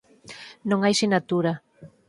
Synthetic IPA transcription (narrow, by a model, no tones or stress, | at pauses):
nõŋajsinat̪uɾa